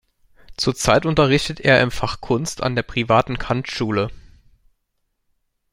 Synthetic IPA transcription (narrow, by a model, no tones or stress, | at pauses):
t͡suːɐt͡saɪtʊntɐʁ̞ɪçtətʰʔḛːɐʔɪmfaχkʰʊnstʰa̰ndeːɐpʁ̥ivaːtn̩kʰantʃuːlə